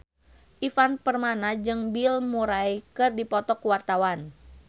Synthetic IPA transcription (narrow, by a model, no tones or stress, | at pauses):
ʔifanpərmanad͡ʒɨŋbilmuɾajkɨrdipɔt̪ɔkuwart̪awan